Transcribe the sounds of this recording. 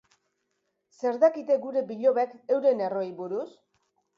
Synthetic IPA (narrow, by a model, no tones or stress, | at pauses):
se̞ɾðakit̪e̞ɡuɾe̞biʎo̞βekewɾe̞ne̞ro̞jβuɾus